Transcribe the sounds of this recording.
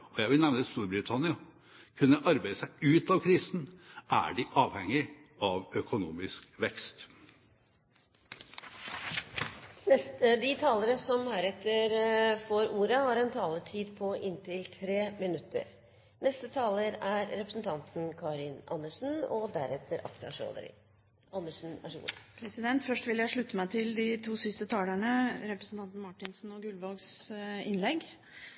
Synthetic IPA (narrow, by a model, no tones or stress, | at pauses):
ɔjæɪʋɪlnɛʋnəst̪uːɾbɾɪt̪ʰɑnɪɑ | kʰʉnːəʔɑɾbæɪəsæɪʉːt̪ɑʋkʰɾiːsn̩ʔæ̰ɖɪʔɑːʋhɛŋːɪ | ɑʋœkʊnuːmɪskʋɛkst̪ | ɛt̪əd̪ɪt̪ʰɑːləɾəsɔmhæːɾɛt̪ːəɾfoːɾuːɾəhɑɾɛnt̪ʰɑːlət̪ʰiːd̪pʰɔʔɪnt̪ʰɪlt̪ʰɾeːmɪnʉt̪ʰːə̰ɾ | nɛst̪ət̪ʰɑːləɾæɾːɛpɾəsn̩t̪ʰɑnt̪n̩kʰɑːɾɪnʔɑ̰nːəʂn̩ɔd̪æɾɛt̪ʰːəɾʔɑ̰kt̪ɑʂo̰ːd̪ə̰ɾɪ̰ | ɑnːəʂn̩æ̰ʂɡṵːɾpʰɾɛsɪd̪ɛnt̪fœʂʈʋɪljæɪʂɭʉt̪ːəmæɪt̪ʰɪld̪ɪt̪ʰuːsɪst̪ət̪ʰɑːlæɳəɾɛpɾəsn̩t̪ɑnt̪n̩mɑʈːɪnsn̩ɔɡʉlʋɑlɡsɪnlɛɡ